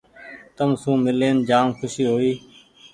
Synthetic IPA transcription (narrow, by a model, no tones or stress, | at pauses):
t̪əmsũːmɪleːnd͡ʒaːmkʰʊʃiːɦoːiː